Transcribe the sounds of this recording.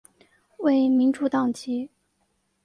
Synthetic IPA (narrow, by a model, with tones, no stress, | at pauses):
we˥˩ɪmi˧˥nʈ͡ʂu˥˧t̪ɑ˥˩ŋt͡ɕi˧˥